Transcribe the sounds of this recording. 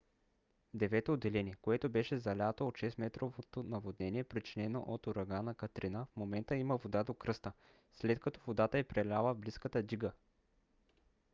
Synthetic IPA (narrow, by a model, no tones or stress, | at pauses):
d̪ɛvɛt̪oːd̪ːɛlɛniɛkoɛt̪obɛʃɛzɐlʲat̪oot̪ʃɛsmɛt̪ɾovot̪onɐvod̪nɛniɛpɾit͡ʃinɛno̰ʔot̪oɾɐɡanɐkɐt̪ɾinəfmomɛnt̪əiməvod̪ad̪okɾɤst̪ə | slɛt̪kɐt̪ɔ̥vod̪at̪əɛpɾɛlʲaləvbliskət̪əd̪iɡə